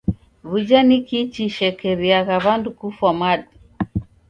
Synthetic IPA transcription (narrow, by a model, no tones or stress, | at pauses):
βud͡ʒanikit͡ʃiʃɛkɛβiaɣaβandukufamaɗi